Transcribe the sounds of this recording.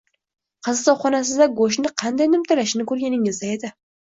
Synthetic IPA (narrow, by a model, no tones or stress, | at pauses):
qʰɨzɨt̪ɒχɒnas̬ɪzd̪aɡoʃ̬nɪqʰɑnd̪ajnɪmt̪ʰalaʃɪnɪkɵɾɡʲanɪŋɪzd̪ae̞d̪ɪ